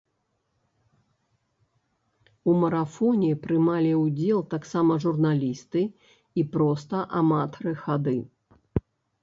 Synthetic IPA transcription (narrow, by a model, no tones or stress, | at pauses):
umɐɾafɔnʲipɾɨmalʲiwd͡zʲɛlˠt̪aksamɐʐurnalʲist̪ɨ | ipɾɔst̪ɐʔamat̪ɐɾɨxad̪ɨ